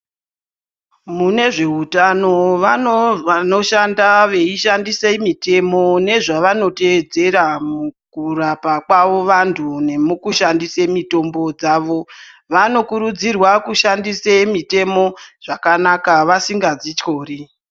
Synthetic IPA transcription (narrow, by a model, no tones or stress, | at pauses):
mune̞ʐe̞ɦutano̞ʋa | no̞ʃandaʋe̞iʃandiseimite̞mo̞ne̞ʐaʋano̞te̞ːd͡ze̞ɾamukurapakwaʋo̞ʋantʰune̞mukuʃandisemito̞mbo̞d͡zaːʋo̞ | ʋano̞kuɾud͡zirwakuʃandisemite̞mo̞ʐ̥akanakaʋasiŋɡad͡zit͡ʃo̞ːri